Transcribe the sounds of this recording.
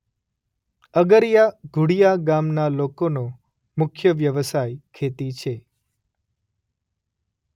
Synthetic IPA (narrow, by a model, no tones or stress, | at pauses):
əɡəɾjaɡʱuɽijaɡamnalokono | mʊkʰjəʋjəʋəsajkʰet̪it͡ʃʰe